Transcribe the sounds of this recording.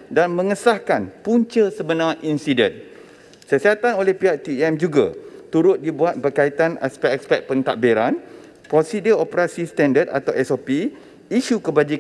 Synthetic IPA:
danmə̃ŋəsahkanpuɲt͡ʃəsəbənãʔinsidɛ̃n | səsiat̪anolɛhpiat̪iɛmd͡ʒuɡa̰t̪uɾʊt̪̚dibuat̪̚bərkait̪anɛ̰spɛkspɛt̪̚pənt̪a̰ʔ̚biɾan | pɾosidiopəɾasist̪ãndəd̪a̰t̪awɛsopi | iʃukəbad͡ʒik

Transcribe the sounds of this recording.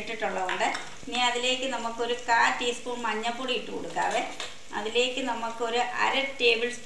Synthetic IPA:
ʈːiʈːuɭːɐðoɳɖɨ | niːɐðile̞ːkʲːɨnɐmːukːo̞ɾukaːʈːiːspoːɳmɐɲːɐpːoːɽiiʈːɨko̰ɽukːa̰ːʋe | ɐ̰ðile̞ːkʲːɨnɐmːukːɨo̞ɾuʔɐ̰ɾɐʈe̞ːbils

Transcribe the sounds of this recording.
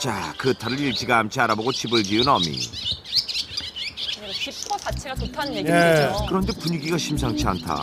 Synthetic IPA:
t͡ɕakɯtʰaɾɯɾiɭt͡ɕ͈iɡaːmt͡ɕʰiaɾaboɡot͡ɕʰibɯɭd͡ʑiɯnʌmḭ | sʰat͡ɕʰeotʰaekɯɾʌnde̞puɲiɡiɡaɕʰimsʰaŋt͡ɕʰia̰ntʰa̰

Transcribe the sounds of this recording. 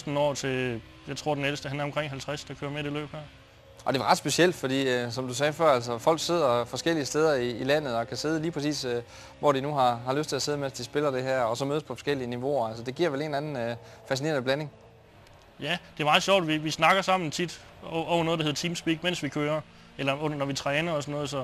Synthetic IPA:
sd̥n̩ɒ̰ːt͡sʰe̝ | jɑ̈ɪt͡sʰʁo̝ɐ̰denedəsd̥əɦænɐɒ̽mkʰʁeŋ̰ɦælt͡sʰʁasd̥ɑ̈kʰøːɐmeɾ̥elø̰ːb̥hæɐ̰ | ʔɒ̽d̥e̝ʋɑ̈ʁɑ̈d̥sb̥e̝siel̰d̥fɒ̽d̥ḭːsɒ̽md̥us̬ɛːfɶɐæl̰səfɒ̽l̰ɡ̥se̝ð̞̰ˠɐfɒ̽sɡ̥el̰iəsd̥eð̞ˠɐiːlæn̰ð̩ˠɒ̽kʰæse̝ð̞ˠliːpʰʁɛs̬ḭːs | ʋɒd̥inuɦɑ̈hɑ̈løsd̥t͡sʰe̝æse̝ð̞̩ˠmen̰sd̥isb̥e̝lɐd̥e̝ɦæɐ̰ɒ̽sɒ̽møðˠspʰɒ̽fɒ̽sɡ̥el̰iəniʋo̝ɐælsəd̥e̝ɡ̥iɐ̰ʋele̝ːnænn̩fæsine̝ɐnəb̥læne̝ŋ | jæd̥e̝æɐmɑ̈ːðˠɕjɒʊ̰d̥ʋiʋisnɑ̈ɡ̥ɐsɑ̈m̰n̩t͡sʰid̥ | ɒʊnɔːð̩ˠd̥ɑhe̝ɐ̥t͡sʰiːmsb̥iːɡ̥men̰sʋikʰøːɐ | elɐɔnɐnɒʋit͡sʰʁːnəɒsɒnːɔ̽ːð̞̩ˠsɒ̽

